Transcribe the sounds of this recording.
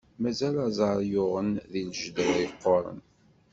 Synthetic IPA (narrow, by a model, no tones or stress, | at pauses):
mæzælæzˤɑɾˤjʊʁənðilʒd̪əɾiqːoɾˤə̰n